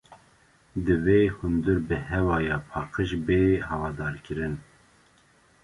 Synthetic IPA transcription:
d̪ɨveːhund̪uɾbɨhɛvɑːjɑːpʰɑːqəʃbeːɦɑvɑːd̪ɑːɾkɨɾɨn

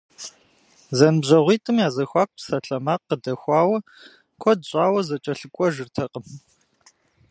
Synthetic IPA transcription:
zɐnɨbʑɐʁʷiːtʼɨmjaːzɐxʷɑːk̚ʷʼpsɐɬɐmaːqːədɐxʷɑːwɐ | kʷʰɔd̚ɕʼɑːwɐzɐt͡ʃʼɐɬɨkʷʼɔʒɨrtʰɐqʼəm

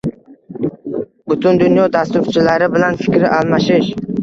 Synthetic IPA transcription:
bʊt̪ʰʊnd̪ʊnjɒd̪ast̪ʊɾt͡ʃʰɪlaɾɪbɪlanfɪkʲʰɾɪʔalˠmaʃɪʃ

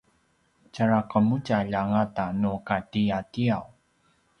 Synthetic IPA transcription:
t͡ɕaɾakəmucaʎaŋatanukatiatiaw

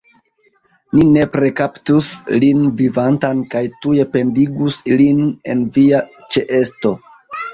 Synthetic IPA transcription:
nine̞pɾe̞kaptuslinvivantankajtuje̞pe̞ndiɡusiline̞nvia | t͡ʃe̞ʔe̞sto̞

